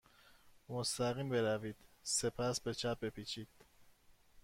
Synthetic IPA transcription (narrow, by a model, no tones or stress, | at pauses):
most̪æɣiːmbeɾæviːd̪̥sepʰæsbe̞t͡ʃʰæp̚be̞pʰit͡ʃʰiːd̪̥